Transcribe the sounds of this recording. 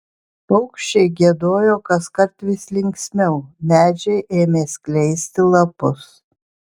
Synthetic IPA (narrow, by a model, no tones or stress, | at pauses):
pɐʊkʃʲt͡ʃʲɛɪɡʲiɛd̪oːjoːkɐskɐɾt̪ʋʲɪsʲlʲɪŋʲksʲmʲɛʊmʲæːd͡ʒʲɛɪʔeːmʲeːsʲkʲlʲɛɪsʲt̪ʲɪlˠɐpʊs